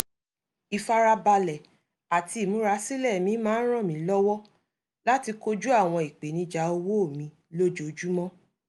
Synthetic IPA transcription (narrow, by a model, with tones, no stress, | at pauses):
i˨fa˧ɾa˧ba˧lɛ˨ | a˨ti˧i˨mũ˨˦ɾa˨˧˦si˦lɛ˦˨mĩ˨˦mãː˦n̩˦ɾ̃ɔ̃˦˨mĩ˨˦lɔ˦wɔ˦ | la˦ti˧ko˦d͡ʒu˦a˦˨w̃ɔ̃˧i˨k͡pe˨nĩ˧˦d͡ʒa˨˦o˧wo˦o˦˨mĩ˧ | lo˦d͡ʒo˧˨d͡ʒu˦mɔ̃˦